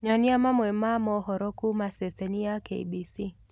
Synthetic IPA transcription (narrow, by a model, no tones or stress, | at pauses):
ɲɔniamamwɛmamɔhɔɾɔkumaseseniakḛḭbisi